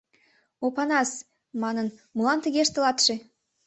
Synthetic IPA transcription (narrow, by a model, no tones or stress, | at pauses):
opɑnɑs | mɑnənmulɑnt̪əɣeʃt̪ə̆lɑt̪ʃĕ